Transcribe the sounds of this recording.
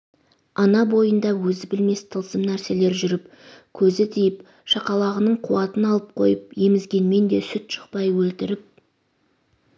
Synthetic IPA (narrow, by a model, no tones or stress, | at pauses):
ɑnɑbo̞jənd̪ɑwɵzɪbɪlme̞st̪ʰəlˠsəmnæɾse̞le̞ɾʒʏɾɪp | kʲʰɵzɪt̪ʰijɪp | ʃɑqɑlˠɑʁənəɴqʰuwɑt̪ənɑlˠəp̚qʰo̞̰jəp̚je̞mɪzɡʲe̞nme̞nd̪e̞sʏt̪ʃə̥q̚pɑjwɵlt̪ɪɾɪp̚